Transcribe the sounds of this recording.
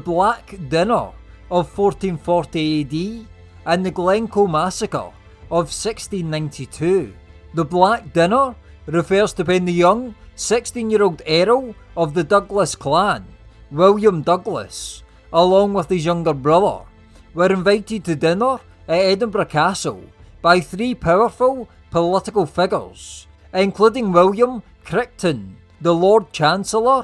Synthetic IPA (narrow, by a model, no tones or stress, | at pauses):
ðəblˠakdɪnə̰˞ | əv̥fɔɹtĩnfɔɹʔiedi | ə̃nðəɡlˠɛ̃ŋkʰomasəkə̰˞ | əv̥sɪkstĩnːãɪ̃nʔitʰʉː | ðəblˠak̚d̥ɪnə˞ | ɹɪfɜ˞z̥tʰəpɛ̃nðəjʌ̃ŋsɪkstĩnjiɹolˠdɛɹoəvðədʌɡlˠəskʰl̥ˠãnwɪlˠjə̃mdʌɡlˠə̰s | əlˠɔ̃ŋwɪð̥ɪzjʌ̃ŋɡə˞bɹʌðə̰˞ | wə˞ɪ̃ɱvaɪʔɪd̚tʰədɪ̃nə˞ | əʔɛdⁿə̃n̩bɹəkʰasə̰lˠb̥aɪθɹipʰaʊə˞fəlˠ | pʰəlˠɪʔɪkəlˠfɪɡə̰˞z̥ | ɪ̃nkʰl̥ʉdɪ̃ŋwɪlˠjə̃m | kʰɹ̥ɪk̚tʰə̃n | ðəlˠɔɹd̚t͡ʃʰãnsəl̩ˠə˞